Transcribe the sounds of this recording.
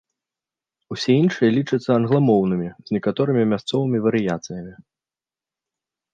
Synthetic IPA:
usʲɛinʂɨjɛlʲit͡ʂɨt̪sːɐɐnɣlˠamɔwnɨmʲiz̥ʲnʲɛkat̪ɔɾɨmʲimʲast̪sɔvɨmʲivɐɾɨjat̪sɨjɐmʲi

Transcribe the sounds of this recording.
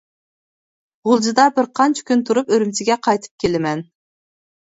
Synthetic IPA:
ʁʊlˠd͡ʒɨd̪ɑbɪɾqʰɑnt͡ʃʰɑ̥kʲynt̪ʰuɾupøɾymt͡ʃʰɪɡʲɛqʰɑjt̪ʰɨ̥p̚kʲʰelɪmɛn

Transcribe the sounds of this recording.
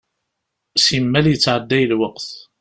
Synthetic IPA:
simːæljət͡sːʕəd̪ːæjəlwəqθ

